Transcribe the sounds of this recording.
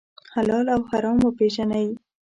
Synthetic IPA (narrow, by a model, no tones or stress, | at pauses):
halɑlawhaɾɑmopeʒanaji